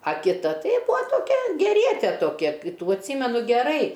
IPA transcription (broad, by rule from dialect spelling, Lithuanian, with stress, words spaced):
ɐ kʲɪˈtɐ ˈtɐɪ ˈbʊɐ toːˈkʲɛ ɡʲɛrʲiɛˈtʲɛ toːˈkʲɛ ˈtuː ɐtʲˈsʲiːmʲɛnʊ ɡʲɛˈrɐɪ